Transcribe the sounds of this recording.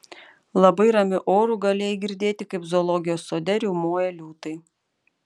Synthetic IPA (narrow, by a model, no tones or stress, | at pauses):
lˠɐbɐɪɾɐmʲʊʔoːɾuːˑɡɐlʲeːjɡʲɪɾʲd̪ʲeːt̪ʲɪkɐɪpzoːlˠɔɡʲɪjoːsːoːd̪ʲɛɾʲuːmoːjɛlʲuːt̪ɐɪ